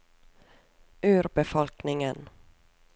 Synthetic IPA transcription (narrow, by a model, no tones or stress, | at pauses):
ʉ̟ːɾbɛfɔlknɪŋən